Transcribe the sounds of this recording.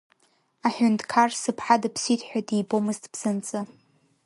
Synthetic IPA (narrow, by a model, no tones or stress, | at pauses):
aħʷᶣʊntʰʼkʰarsɨpʰħadapʰsitʰʼħᶣadijbomɨztʰʼb̥z̥ɨnt͡sʼɨ